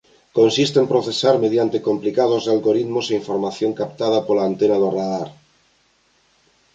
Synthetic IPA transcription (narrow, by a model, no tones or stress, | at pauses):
konsist̪empɾoθesaɾmeðjant̪ekomplikaðozðalɣoɾit̪moseiɱfoɾmaθjoŋkap̚t̪að̞apolaːnt̪enaðoraðaɾ